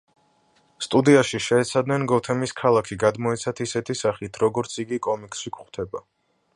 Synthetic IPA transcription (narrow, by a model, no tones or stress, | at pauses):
st̪ʼud̪iaʃiʃɛːt̪sʰad̪nɛnɡɔt̪ʰɛmiskʰalˠakʰiɡad̪mɔɛt̪sʰat̪ʰisɛt̪ʰisaχit̪ʰɾɔɡɔɾt̪sʰiɡikʼɔmikʼʃikχwt̪ʰɛba